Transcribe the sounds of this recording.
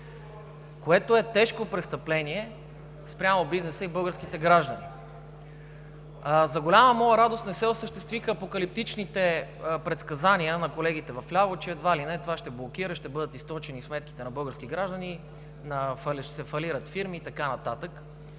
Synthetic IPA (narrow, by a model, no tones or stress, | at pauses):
koɛt̪oɛt̪ɛʃkopɾɛst̪əplɛniɛ | spɾʲamobiznɛsəibɤlˠɡəɾsk̟it̪ɛɡɾaʒd̪əni | zɐɡolʲaməmɔjəɾad̪ost̪nɛsɛosəʃt̪ɛst̪vixəːpokɐlip̚t̪it͡ʃnit̪ɛpɾɛt̪skɐzaniənɐkolɛɡ̟it̪ɛvɐflʲavot͡ʃɛːd̪valinɛt̪ovaʃt̪ɛblˠok̟iɾəʃt̪ɛbɤd̪ət̪ist̪ɔt͡ʃɛnismɛt̪ki̥t̪ɛnɐbɤlˠɡəɾsk̟iɡɾaʒd̪əni | nɐfɐlʃɛ̥sɛfɐliɾət̪fiɾmit̪ɐkanɐt̪at̪ək